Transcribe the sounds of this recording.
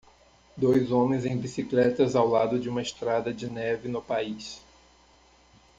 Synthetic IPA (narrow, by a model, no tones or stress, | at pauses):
d̪ojzõmẽj̃zẽj̃bisiklɛt̪ɐzawlad̪ʊd͡ʒɪũmɐɪst̪ɾad̪ɐd͡ʒɪnɛvɪnʊpais